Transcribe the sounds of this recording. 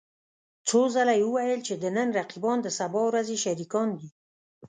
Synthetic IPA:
t͡sozalajewəwajəlt͡ʃed̪ənənɾaqibɑnd̪əsabɑwɾazeʃaɾikɑnd̪i

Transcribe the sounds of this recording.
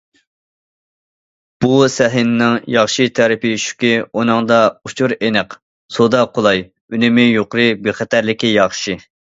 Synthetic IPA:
b̥usɛɦɪnnɪŋjɑχʃɨt̪ʰɛɾɪpɪʃy̥kʲionɨŋd̪ɑut͡ʃʰuɾenɨq | sod̪ɑqʰolˠɑj | ynɪmɪjoqɾɨbeχɛt̪ʰæɾlɪkʲijɑχʃɨ

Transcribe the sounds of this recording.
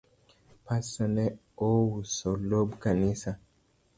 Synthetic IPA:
pasɔnɛ | owusɔlobkanisa

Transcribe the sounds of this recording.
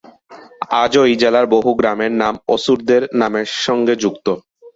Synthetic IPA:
ad͡ʑojd͡ʑelaɾboɦuɡɾameɾnamosuɾd̪eɾnameɾʃɔŋɡed͡ʑukt̪o

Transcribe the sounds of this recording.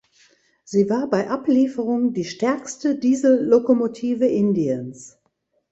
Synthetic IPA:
z̥iːvaːɐbaɪʔapliːfəʁ̞ʊŋdiːʃtɛɐkstədiːzl̩ːokomotʰiːvəʔɪndiəns

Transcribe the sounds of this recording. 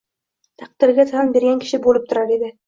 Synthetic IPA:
t̪ʰɑq̚d̪̥ɪɾɡʲat̪ʰanbe̞ɾɡʲankʲʰɪ̥ʃɪbolɪp̚t̪ʰʊɾaɾed̪ɪ

